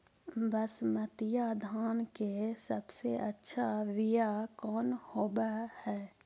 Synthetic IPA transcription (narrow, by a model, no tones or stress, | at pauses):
bəsmət̪jad̪ʱaːnkesəbseʔətːʃʰaʋɪjakɔːnhoːbahɛː